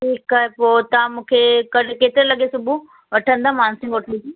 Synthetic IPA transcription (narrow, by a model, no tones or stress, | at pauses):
ʈʰiːkaːɦepoːt̪ɐʋãmũːkʰekɐkeːt̪ɪɾelɐɠesʊbʱu | ʋɐʈʰə̃nd̪aːmaːñsɪ̃ŋɡoʈʰlid͡ʑi